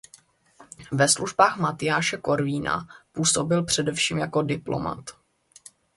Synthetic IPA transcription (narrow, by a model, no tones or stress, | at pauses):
vɛsluʒbaːxmat̪ɪjaːʃɛko̞ɾviːna̰puːso̞bɪlpr̝̥ɛdɛfʃiːmjako̞dɪplo̞̰ma̰t̪